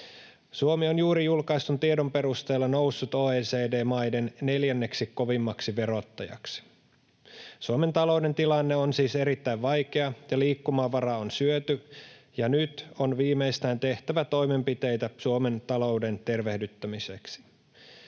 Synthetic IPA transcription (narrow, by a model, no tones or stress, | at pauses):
suomionjuːɾijulkɑist̪unt̪iedo̞mpe̞ɾust̪e̞ːlːɑno̞wsːut̪oːeːseːde̞ːmɑjde̞nne̞ljænːe̞ksikkːo̞ʋimːɑksiʋe̞ɾo̞t̪ːɑjɑ̰ksi̥ | suome̞nt̪ɑlo̞wde̞nt̪ilɑnːeonsiːse̞ɾit̪ːæiʋʋɑjke̞ɑjɑliːkːumɑʋɑɾɑonsyøt̪yjɑnyt̪onʋiːme̞ist̪æːnt̪e̞ht̪æʋæt̪o̞jme̞mpit̪e̞jt̪æsuome̞nt̪ɑlo̞wde̞nt̪e̞rʋe̞hdyt̪ːæmiseksi̥